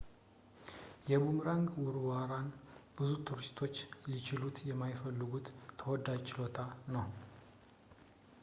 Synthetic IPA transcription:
jɛbumɾaŋɡwʊɾwaɾanb̥ɨzut̪ʰuɾɪst̪ʰo̞t͡ʃːlit͡ʃɪlut̪jɛmːajfəlːɨɡut̪ʰːəwɔd̪ad͡ʒt͡ʃɪlo̞t̪ʰanəw

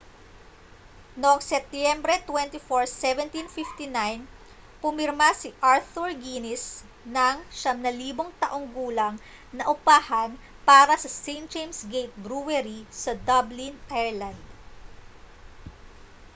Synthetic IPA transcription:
noʔɐŋsɛp̚t̪jɛmbɾɛt̪wɛnt̪ifoɹsɛvɛnt̪infift̪inajn | pʊmɪɾmasiʔaɹθuɹɡinɪs | nɐŋʃɐmnɐliːboŋt̪ɐʔo̞ŋɡuːlɐŋ | nɐʔʊpaːhɐn | paːɾɐsɐsejn̚d͡ʒejmsɡejt̪̚bɾuwɛɾisɐd̪ɐblinʔɛɹland̪

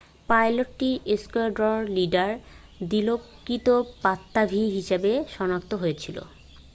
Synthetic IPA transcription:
pajloʈːiɾeskoaɾɖɾɔɾliɖaɾd̪ilokːit̪opat̪ːabʱiɦiʃebeʃɔnak̚t̪oɦojet͡ɕʰilo̰

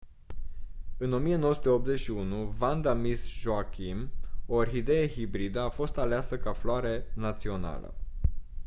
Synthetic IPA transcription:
ɨno̞mijenowəsut̪eo̞p̚t̪ze̞t͡ʃʃiunuvand̪amisʒoakʰimorɦid̪e̞jehibɾid̪əafo̞st̪aleasəkafloaɾenat̪sio̞na̰lə̰

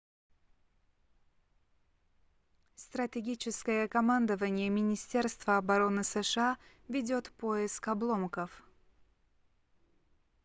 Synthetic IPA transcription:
st̪ɾətʲɪɡʲit͡ɕɪskəjəkɐmand̪əvənʲɪjəmʲɪnʲɪsʲtʲe̞rst̪vəɐbɐɾo̞nɨsɨʂɨa | vʲɪdʲo̞t̪po̞ɪskɐblˠo̞mkəf

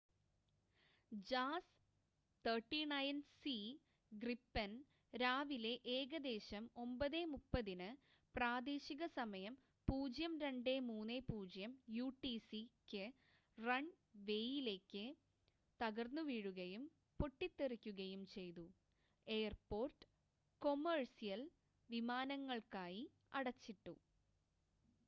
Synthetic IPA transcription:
d͡ʑaːs | t̪ʰɐʈːinɐjnsi | ɡripːɐn | ɾaːʋile̞ʔeːɣɐd̪e̞ːɕɐmo̞mbɐðeːmupːɐðinɨ | praːd̪eːɕiɣɐsɐmɐjɐm | puːd͡ʑjɐmɾe̞ɳɖe̞muːnːepuːd͡ʑjɐmjuːʈːisikʲːɨ | rɐɳ | ʋe̞jile̞ːkʲːɨ | t̪ɐɣɐrnːuʋiːɻuɣɐjum | po̞ʈːit̪ːerikʲːuɣɐjumt͡ɕe̞jt̪u | e̞ːɐrpo̞ːrʈɨ̥ | ko̞mɐrsijɐl | ʋimaːnɐŋːɐɭkaːji | ɐɽɐt͡ɕːiʈːu

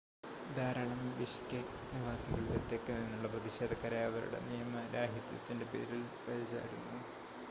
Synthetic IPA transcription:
d̪aːɾɐɭɐmʋiɕkʲːe | niʋaːsɐŋɡɐɭulet̪ːekːeninːuɭːɐprɐðiɕe̞ːd̪ʱɐkːɐɾeɐʋɐɾṵɽe̞̰nijɐmɐɾaːɦjɐt̪jɐ̰t̪ːinde̞pe̞̰ːɾil | kɐɻit͡ɕːa̰ːɾunːu

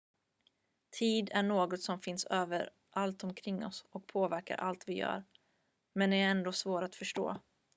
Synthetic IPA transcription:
t̪ʰiːd̪æɳoːɡɔt̪sɔmfɪnsøːvəɾ | ʔalt̪ɔmkʰɾɪŋːɔ̰sɔk̚pʰoːvæɾka̰ɾʔa̰lt̪vɪjœ̰ːɾ | mɛnɛɾɛnd̪oːsvoːɾat̪fœʂʈo̰ː

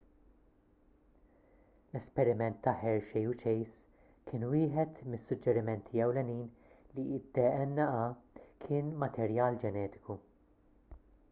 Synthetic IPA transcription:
lɛspɛɾɪmɛnt̪ːɐħɛɾʃɛjut͡ʃɛjs | kʰɪːnwɪːħɛt̪mɪsːʊd͡ʒːɛɾɪmɛnt̪ʰiɛwlɛniːn | liɪd̪ːɛɛnːɐɐkʰɪːnmɐt̪ʰɛɾjɐːld͡ʒɛnɛːt̪ɪ̥ku

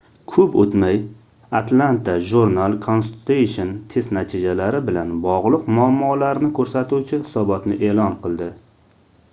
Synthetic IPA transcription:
kʰɵpɵt̪maj | at̪ʰlant̪ʰaʒuɾnalˠkʰonsut̪ʰejʃont̪ʰe̞st̪nat̪ʰɪd͡ʒalaɾɪbɪlanbɒʁlˠɨqmʊamːɒlaɾnɪkʰɵɾsat̪uwt͡ʃʰɪhɪ̥sɒbɒt̪nɪʔe̞ːlɒnqʰɨlˠd̪ɪ

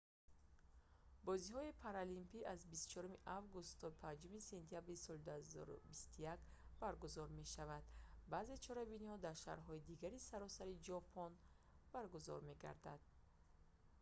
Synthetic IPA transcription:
bɔzihɔipʰaɾalimpiʔazbist̪u̥t͡ʃʰɔɾumiʔavɡust̪ʰːɔpʰand͡ʒumise̞nt̪ʰijabɾisɔld̪uhazɔ̰ɾṵbist̪ujak | baɾɡuzɔɾme̞ʃavad̪baze̞t͡ʃʰɔɾabinihɔd̪aɾʃa̰ɾɦɔid̪iɡaɾisaɾɔsaɾid͡ʒɔpʰɔn | b̥aɾɡuzɔ̰ɾme̞ɡa̰ɾd̪ad̪̥̚

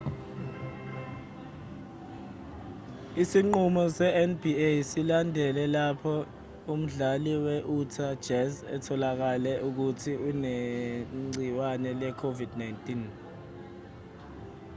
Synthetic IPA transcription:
isiŋ͡ǃumɔsɛɛnbiesilandʱɛlɛlapʰɔ | um̩ɮaliwɛʔutʰḁd͡ʒ̥ɛsɛ̰tʰɔlak̬alɛʔuk̬utʰiune | ŋ͡ǀiwanɛlɛkʰovid̥najntʼin

